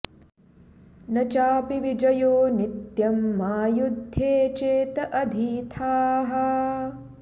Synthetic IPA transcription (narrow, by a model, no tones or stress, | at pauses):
nɐt͡ʃaːpiʋid͡ʒɐjoːnit̪jɐmːaːjud̪ʱjeːt͡ʃeːt̪ɐʔɐd̪ʱiːt̪ʰaːɦɐ